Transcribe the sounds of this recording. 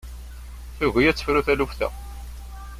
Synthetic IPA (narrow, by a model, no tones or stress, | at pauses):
θuʝijæt͡sːə̥fɾuθælufθæ̰